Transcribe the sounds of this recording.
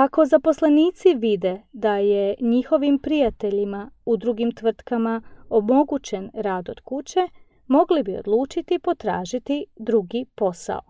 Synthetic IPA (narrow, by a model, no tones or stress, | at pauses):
ako̞zapo̞sleniːt̪siʋid̪e̞d̪aje̞ɲixo̞ʋimpɾijat̪e̞ʎimaud̪ɾuɡimt̪ʋr̩t̪kamao̞mo̞ɡut͡ɕe̞nɾaːd̪o̞d̪̥kut͡ɕe̞ | mo̞ɡlibio̰d̪lˠuːt͡ʃit̪ipo̞t̪ɾa̰ːʒit̪id̪ɾuɡipo̞sa̰o̰